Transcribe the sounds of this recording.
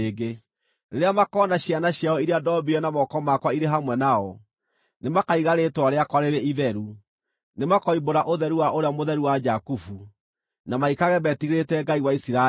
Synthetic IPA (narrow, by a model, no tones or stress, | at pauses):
eɡe | ɾeɾeamakɔnaɕjanaɕjaɔiɾeadɔbiɔnamɔkɔmakwaiɾeɦamwɛnaɔ | nemakaiɣaɾetwaɾeakwaɾeɾeiðɛɾu | nemakɔiboɾaʔoðɛɾuwaʔoɾeamoðɛɾuwad͡ʒakufu | namaikaɣɛbɛtiɣɾetɛɡaiwaisiɾa